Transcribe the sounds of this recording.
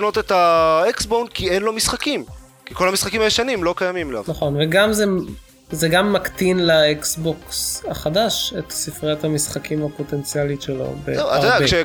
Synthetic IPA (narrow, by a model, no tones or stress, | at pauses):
no̞t̪et̪aeksbonkienlo̞misχakim | kikolhamisχakimajeʃanimlo̞kajamimla̰vnaχo̞nveɡamze | zeɡamːakt̪inlaeksbo̞ksaχadaʃet̪sifʁeat̪hamisχakʰimapo̞t̪e̞nt͡sjalitʃelo̞̰bḛa̰tːaʁadaeʃe